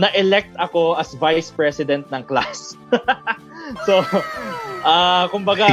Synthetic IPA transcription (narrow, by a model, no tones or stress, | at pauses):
nɐʔɛlɛk̚t̪ɐko̞ʔɐsvajspɹɛsɪd̪ɛnt̪̚nɐŋklas | o | ʔaːkʊmbɐɡa